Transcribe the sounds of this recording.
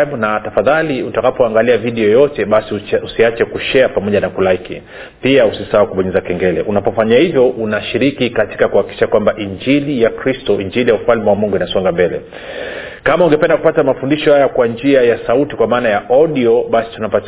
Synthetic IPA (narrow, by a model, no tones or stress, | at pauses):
mnatafaðaliutakapɔaŋɡaliaviɗɛɔjɔtɛɓasiusiat͡ʃɛkuʃɛapamɔʄanakulaikḭ | piausisawakuɓɔɲɛzakɛŋɡɛlɛʔunapɔfaɲahivjɔʔunaʃiɾikikati̥kakuhakiki̥ʃakwambaʔiɲd͡ʒilijakɾistɔiɲd͡ʒilijaufalmɛwamuŋɡuinasɔŋɡambɛlɛ̰ | kamauŋɡɛpɛndaku̥patamafundiʃɔhajakwand͡ʒiajasautikwamaːnajaʔɔɗiɔɓasi̥tunapat